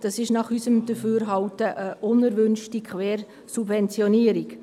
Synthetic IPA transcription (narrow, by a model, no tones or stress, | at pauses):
d̥ɑsɪʃnɑχysəmd̥əfyːɾɦɑltəʔəʔʊnəɾʋʏnʃtikχʋɛːɾ | subvɛnt͡sjɔniəɾik